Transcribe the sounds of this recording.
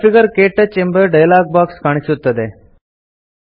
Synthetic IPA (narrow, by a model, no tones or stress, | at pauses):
fiɡəɾkeʈːət͡ɕẽmbəɾɖəjlak̚bakskaɳ̃isut̪ːəd̪e